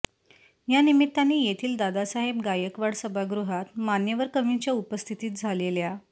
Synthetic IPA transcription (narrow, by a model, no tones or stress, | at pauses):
janimit̪ːanːiːjet̪ʰiːld̪ad̪asaɦebɡajəkʋaɽsəbʱaɡɾuɦat̪manjəʋəɾkəʋint͡ɕjaupəst̪ʰit̪iːt̪̚d͡zʱalelja